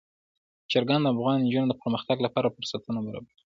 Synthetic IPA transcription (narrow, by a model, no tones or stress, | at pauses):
t͡ʃaɾɡand̪əafɣɑnnd͡ʒunod̪əpəɾməxt̪aɡlapɑɾafʊɾsat̪ənobaɾɑ̰baɾi